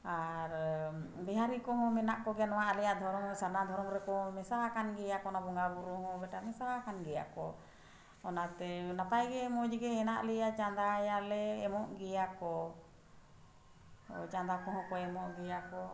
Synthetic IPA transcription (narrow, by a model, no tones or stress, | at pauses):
aɾbɛɦaɾikɔɦɔ̃mɛnaʔkɔɡɛnɔwaalɛjad̪ʱɔɾɔŋsaɾnad̪ʱɔɾɔŋɾɛkɔɔ̃mɛsawakanɡɛjakɔnabɔŋɡabɔɾuɦɔ̃bɛʈamɛsawakanɡɛja̰kɔ | ɔnat̪ɛnapajɡɛmɔd͡ʒiɡɛɛna̰ʔlɛjat͡ʃand̪ajalɛːmɔʔɡɛjakɔ | t͡ʃand̪akɔɦɔ̃kɔɛmɔʔɡɛjakɔ